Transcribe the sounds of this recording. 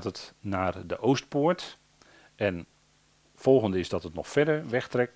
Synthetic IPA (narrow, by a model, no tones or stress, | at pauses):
tətnaːrdəʔowstpʊːɹt | ɛn | fɔlˠɣəndəɪzdɔtətnɔxfɛɹdəɹʋɛxtrɛk̚